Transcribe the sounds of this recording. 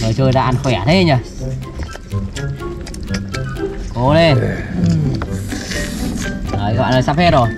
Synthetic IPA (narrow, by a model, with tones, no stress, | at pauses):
ŋɨ˨˩jt͡ɕəː˧jza̰ː˧ʔa˧nxwɛ˧˩˨t̪ʰe˨˦˧ɲa˧˩ | ko˨˧˦le˧˩˨ | əː˨˩ɣɔ̰ː˧˨nəː˨˩saː˧˥pɛ˧˥t̚zo˨˩j